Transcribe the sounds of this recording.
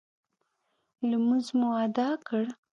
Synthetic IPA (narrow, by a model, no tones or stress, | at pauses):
lamuzmuad̪ɑkəɽ